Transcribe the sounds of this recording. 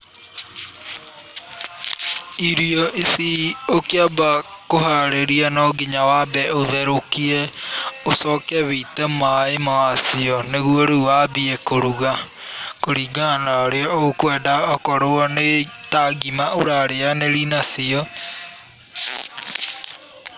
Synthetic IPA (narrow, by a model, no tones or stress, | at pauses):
iɾiɔʔisiokeabakoɦaɾeɾianɔɡiɲawabɛoðɛɾokiɛosɔkɛβetɛmaemawasiɔneɣuoɾuwabiɛkoɾuɣa | koɾiːɡanaoɾeɔokwɛdaɔkɔɾoɔnetaɡimaoɾaɾeaneɾinasiɔ